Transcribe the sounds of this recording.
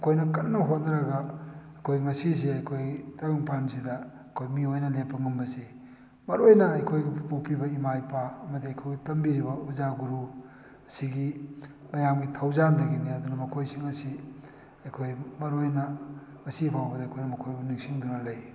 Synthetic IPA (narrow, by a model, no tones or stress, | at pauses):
ɐkʰojnɐkɐnːɐɦotnɐɾɐɡɐɐjkʰojŋɐsis̬iɐjkʰojtɐjiŋpansidɐ | ɐkʰojmiojnɐlepːɐŋɐmbɐsi | mɐɾojnɐɐjkʰojɡipupʰibɐimajpaːmɐdiɐjkʰojɡɐtɐmbiɾibɐuzaɡuɾu | ɐsiɡi | mɐjamɡitʰɐwzandɐɡiniɐd̪unɐmɐkʰojsiŋɐsi | ɐjkʰojmɐɾojnɐ | ŋɐsipʰawbɐdɐjkʰojnɐmɐkʰojbuniŋsiŋdunɐlɐj